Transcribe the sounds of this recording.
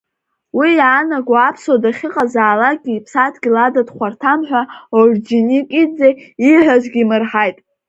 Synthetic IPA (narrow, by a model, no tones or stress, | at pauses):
wijaːnaɡʷaapʰswadaχʲɪqʼazaːlaɡʲiːpʰsatʰɡʲiladadχʷartʰamħᶣʷaod͡ʒinikʼid͡zeiħʷᶣaʒʷɡʲimɨrħajtʼ